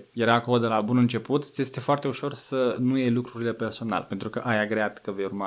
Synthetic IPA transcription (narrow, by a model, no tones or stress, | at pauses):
je̞ɾakolod̪e̞labunɨnt͡ʃe̞put̪jest̪e̞foart̪e̞uʃo̞rsənujejlukɾuɾile̞pe̞rso̞na̰lpe̞nt̪ɾukəʔajaɡɾeat̪kəve̞jurma